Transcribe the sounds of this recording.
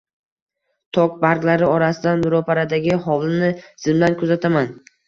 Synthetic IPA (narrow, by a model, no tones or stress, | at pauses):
t̪ʰɒk̚baɾɡlaɾɪɒɾasɪd̪anbɪɾopʰaɾad̪aɡʲɪɦɒvlˠɪnɪz̥ɪmlankʰɵzat̪ʰaman